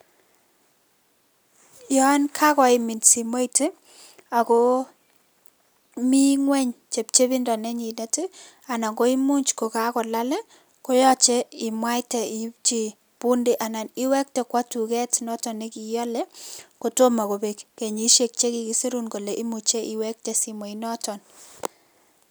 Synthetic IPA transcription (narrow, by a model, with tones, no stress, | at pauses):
jɔ˦nkʰa˦kɔ˨ɪ˨mi˨nsi˨mo˦ite˦ | a˨ko˦ | mi˦ŋwɛ˦ɲt͡ʃe˨p̚t͡ʃe˦bi˦ndɔ˨ne˦ɲi˨netɪ | a˨na˨ŋɡo˦i˦mu˦ɲt͡ʃko˨ka˦kɔ˨la˦lɛ˦ | ko˦jɔ˦t͡ʃe˦i˨mwa˦jtɛ˨i˨pt͡ʃi˨ | pu˦nde˦ʔa˨na˨ni˦wɛ˦k̚tɛ˨kwa˦tu˨kɛ˦tnɔ˦tɔ˨ne˦ki˨ja˦lɛ˦ko˨to˦ma˨ko˨bekːe˨ɲi˦ʃe˨k̚t͡ʃe˦ki˨ki˦si˦ɾunko˨leʔi˦mu˨t͡ʃe˦ʔi˨wɛk̚tɛ˨si˨mwo˨inɔ˦tɔn